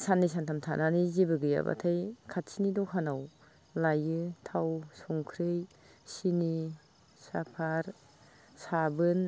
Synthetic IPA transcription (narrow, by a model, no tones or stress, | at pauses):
sanːis̬antʰamtʰananizibɯɡɯja̰ba̰tʰajkʰat̚sinidɔkʰanaw | lajɯtʰawsɔŋkʰɾɯj | sini | sapʰaɾ | sabɯn